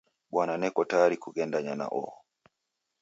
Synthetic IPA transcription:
ɓwananɛkɔtaɾikuɡɛndaɲana̰ʔɔ̰ɔ

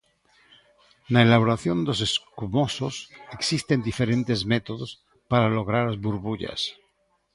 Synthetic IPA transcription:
naelaβ̞oɾaθjo̞nd̪o̞s̬e̞skumososeksist̪e̞nd̪ife̞ɾẽ̞nt̪e̞zmet̪oðos | paɾalo̞ɣ̞ɾaɾazβuɾβuʎa̰s

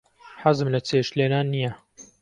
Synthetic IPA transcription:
ħazɨmlɐt͡sʰeʃleːnaːnːijɐ

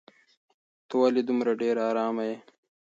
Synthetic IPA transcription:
t̪owalid̪umɾaɖeːɾɑːɾɑːmaje

